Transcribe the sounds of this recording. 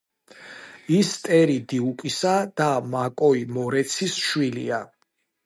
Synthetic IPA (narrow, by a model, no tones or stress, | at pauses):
ist̪ʼɛɾid̪iukʼisad̪̥amakʼɔimɔɾɛt̪sʰisʃwilḭa